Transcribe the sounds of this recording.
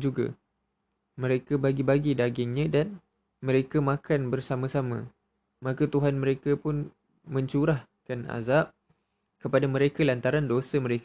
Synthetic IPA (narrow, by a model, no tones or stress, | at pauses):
d͡ʒuɡa̰ | mə̃ɾekabaɡibaɡidaɡɪŋɲãdan | mə̃ɾekamãkanbərsamãsamã̰ | makat̪uɦanmə̃ɾekapʊn | mə̃ɲt͡ʃuɾah | kana̰zap̚ | kəpadamə̃ɾekalant̪aɾandosəmə̃ɾek